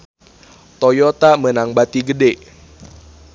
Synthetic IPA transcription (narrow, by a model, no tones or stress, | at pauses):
t̪ojɔt̪amənaŋbat̪iɡədɛ